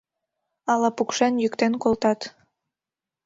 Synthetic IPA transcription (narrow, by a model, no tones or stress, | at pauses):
ɑlɑpukʃenjykt̪enkolt̪ɑt̪